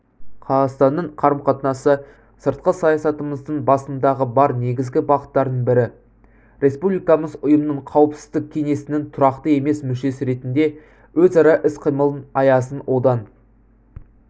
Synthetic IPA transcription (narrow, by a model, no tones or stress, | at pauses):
qʰɑzɑst̪ɑnːəɴqʰɑɾəmqɑt̪ənɑsə | səɾt̪̚qəsɑjɑsɑt̪əməzd̪əɴbɑsənd̪ɑʁəbɑɾne̞ɡʲɪzɡʲɪbɑqət̪ːɑɾd̪əɴbɪɾɪ | ɾe̞spublijkɑməzʊjəmənəɴqʰɑwəpsɪ̥zd̪ɪk̚ʲkʲʰe̞ŋe̞sɪnɪŋt̪ʰʊɾɑqt̪əe̞me̞smʏʃe̞sɪɾe̞t̪ɪnd̪e̞ | wɵzɑɾɑʔɪsqʰijməlˠənɑjɑsənwʔo̞d̪ɑn